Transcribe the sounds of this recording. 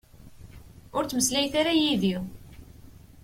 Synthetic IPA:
ʊɾt͡sːməslæjθaɾajiði

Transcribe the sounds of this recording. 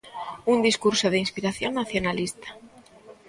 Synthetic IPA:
und̪iskuɾsoð̞einspiɾaθjoŋnːaθjonalist̪ḁ

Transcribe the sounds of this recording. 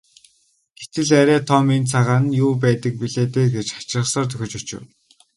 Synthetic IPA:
ɡ̥et̪ɘ̆ɮæɾʲæːt̪ʰɔment͡sʰaʁaːnjʊːp̬æːt̪ə̆k̚piɮeːt̪eːɡet͡ɕχḁt͡ɕɪ̆rə̆sɔːrt̪ɵxʲɵ̆t͡ɕɵt͡ɕɪ̰̆w

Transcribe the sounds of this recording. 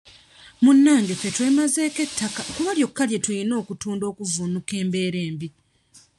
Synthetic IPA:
munːaːŋɡefe̞twe̞ːmaze̞ːke̞tʰːakakuβaljo̞kːalje̞tujino̞ːkutuːndo̞ːkuvunuke̞ːmbe̞ːɾe̞ːmbi

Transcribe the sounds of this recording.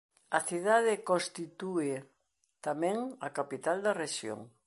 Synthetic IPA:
ɐθiðaðɪkõst̪it̪uɪ | t̪amɛ̃ŋɐkapit̪ald̪ɐreʃjo̰ŋ

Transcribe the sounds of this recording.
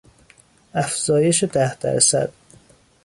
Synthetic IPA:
æfz̥ɒːje̞ʃed̪æhd̪æ̰ɾsæ̰d̪̥

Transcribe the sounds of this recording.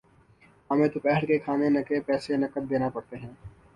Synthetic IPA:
ɐmẽt̪ʊpɛːɦəɽkekʰaːnenɐkepɛːsenɐkət̪̚d̪eːnapɐɽt̪eɦɛ̃ː

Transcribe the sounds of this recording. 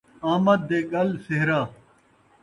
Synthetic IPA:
aːmɐd̪̚ːeːɡɐlseɦɾaː

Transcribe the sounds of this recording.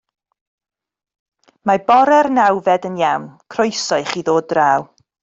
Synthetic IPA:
mabɔɾɛrnawvɛdənjawnkʰrojsɔɨχiðoːdraːw

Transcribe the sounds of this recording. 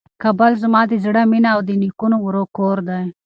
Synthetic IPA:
kabalzəmɑːd̪izɽaminaːwd̪enikunowuɾokoːɾd̪aj

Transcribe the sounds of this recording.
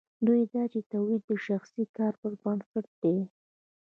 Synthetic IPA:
d̪ujd̪ɑt͡ʃet̪awwid̪̚d̪əʃaxsikɑɾpəɾbənsaʈ̚d̪̥e

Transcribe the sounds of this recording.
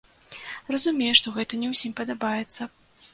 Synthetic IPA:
rɐzumʲejɛʂt̪ɔɣɛt̪ɐnʲɛwsʲimʲpɐd̪abajɛt̪sːɐ

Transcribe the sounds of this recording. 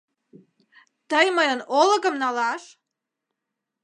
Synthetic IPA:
t̪əjməjənolə̆ɣəmnɑlɑʃ

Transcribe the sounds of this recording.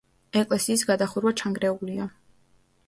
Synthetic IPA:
ɛkʼlɛsiːs̬ɡad̪aχuɾwat͡ʃʰaŋɡɾɛulia

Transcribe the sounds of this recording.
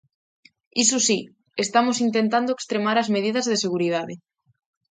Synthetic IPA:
isosi | est̪amosint̪̬ent̪and̪oekst̪ɾemaɾazmeð̞ið̞azðeseɣ̞uɾiðaðe

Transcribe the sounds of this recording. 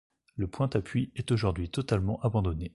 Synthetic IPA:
ləpwɛ̃t̪apɥiɛt̪oʒuʁd̪ɥit̪ɔt̪almɑ̃ʔabɑ̃d̪ɔne

